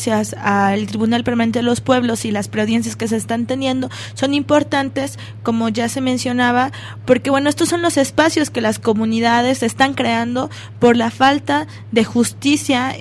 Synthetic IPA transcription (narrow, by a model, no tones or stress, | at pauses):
sjasaelt̪ɾiβunalpeɾmanent̪e̞ðelo̞spwe̞βlo̞silaspɾeoðje̞nsjaske̞s̬e̞ːst̪ant̪e̞nje̞nd̪o̞ | so̞nimpo̞ɾt̪ant̪e̞s | ko̞mo̞ʝase̞mẽnsjo̞naβa | poɾke̞βwe̞noest̪o̞sːo̞nlo̞se̞spasjo̞ske̞lasko̞mũniðað̞e̞se̞st̪aŋkɾe̞and̪o̞ | po̞ɾlafalt̪a | ðe̞xust̪isja